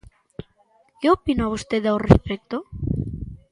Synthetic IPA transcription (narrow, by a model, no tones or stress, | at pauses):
keopinoaβust̪eðaorḛspek̚t̪o